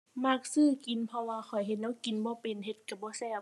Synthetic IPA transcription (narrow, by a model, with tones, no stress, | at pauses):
ma˧˩k̚sɯː˧˨ki˨˦npʰɔ˧waː˧xʰɔ˨˩jɦe˧t̪̚nɛː˧˥wki˨nbɔː˧˦pe˨nɦe˧˦t̪̚ka˧˩bɔː˧˦sɛː˧˩